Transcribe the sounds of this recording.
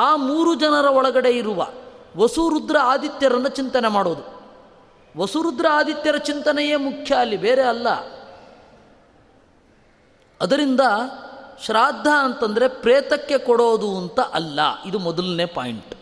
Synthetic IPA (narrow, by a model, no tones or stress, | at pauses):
aːmuːɾud͡ʒɐnɐɾɐɔɭɐɡɐɽe̞iɾuʋɐ̰ʋɐsuɾud̪ɾɐaːd̪it̪jɐɾɐnːut͡ʃint̪ɐnemaːɽoːd̪u | ʋɐsuɾud̪ɾɐaːd̪it̪jɐɾɐt͡ʃint̪ɐnɛje̞ːmukʰjɐːlːibeːɾeɐlːɐ̰ | ɐd̪ɐɾind̪ɐʃɾaːd̪ʱːɐːnt̪ɐnd̪ɐɾepɾɛːt̪ɐkːe̞kɔɽoːd̪uɐnt̪ɐʔɐlːɐ̰id̪umɔd̪ɐlne̞ːpa̰ːjiɳʈ